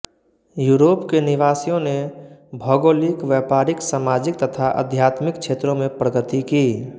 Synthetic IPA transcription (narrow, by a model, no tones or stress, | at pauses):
juːɾoːpkenɪʋaːsijõnebʱəɡoːlikʋɛpaːɾɪksaːmaːd͡ʒɪk̚t̪ət̪ʰaʔə̰d̪ʱjat̪mɪkt͡ʃʰet̪ɾõmẽpɾəɡət̪iki